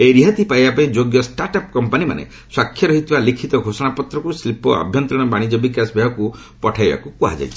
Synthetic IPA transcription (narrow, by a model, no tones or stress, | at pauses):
eɾiɦat̪ipajbapaĩd͡ʒoɡjɔsʈaɾʈap̚kɔmpanima̰nḛ | swakʰːjɔɾɔɦit̪ʰibalikʰit̪ɔɡʱosɔɽ̃apɔt̪ɾɔkuslipɔ̰a̰bʱjɔnt̪ɾɔɽ̃ɔbaɽ̃id͡ʒɔbikasbʱaɦɔku | pɔʈʰajba̰kukuɦa̰d͡ʒa̰jt͡ʃʰi